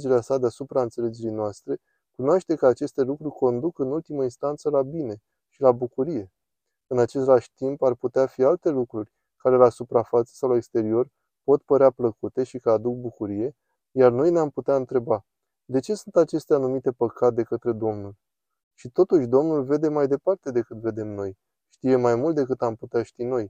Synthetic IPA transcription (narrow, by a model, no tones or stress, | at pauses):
d͡ʒeɾeasad̪easupɾaɨnt̪se̞le̞d͡ʒe̞ɾijnoast̪ɾe̞ | kunoaʃt̪e̞kəat͡ʃe̞st̪e̞lukɾurʲko̞nd̪ukɨnult̪iməinst̪ant̪səlabine̞ | ʃilabukuɾije̞ | ɨnat͡ʃe̞st̪laʃʲt̪imparput̪eafialt̪e̞lukɾurʲ | kaɾe̞lasupɾafat̪sə̥sawlaekst̪e̞ɾio̞r | po̞t̪pəɾeapləkut̪e̞ʃikəad̪uk̚bukuɾije̞ | jarno̞jneamput̪eaɨnt̪ɾe̞ba | d̪e̞t͡ʃe̞sunt̪at͡ʃe̞st̪eanumit̪e̞pəkat̪̚d̪e̞kət̪ɾe̞d̪o̞mnul | ʃit̪o̞t̪uʃʲd̪o̞mnulve̞d̪e̞majd̪e̞part̪e̞d̪e̞kɨt̪ve̞d̪e̞mno̞j | ʃt̪ije̞majmult̪d̪e̞kɨt̪amput̪eaʃt̪ino̞j